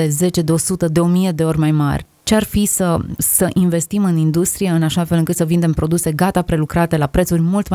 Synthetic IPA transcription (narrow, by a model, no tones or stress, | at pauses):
eze̞t͡ʃe̞d̪eo̞sut̪əd̪e̞o̞mije̞d̪e̞o̞rʲmajma̰rʲ | t͡ʃe̞arfisəsəʔinve̞st̪imɨnind̪ust̪ɾije̞ɨnaʃafelɨŋkɨt̪səvind̪e̞mpɾo̞d̪use̞ɡat̪apɾe̞lukɾat̪e̞lapɾet̪surʲmult̪m